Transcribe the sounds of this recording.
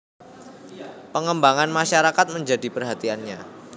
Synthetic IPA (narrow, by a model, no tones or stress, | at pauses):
pəŋəmbaŋanmaʃaɾakat̪̚məɲd͡ʒadipərɦat̪ianɲa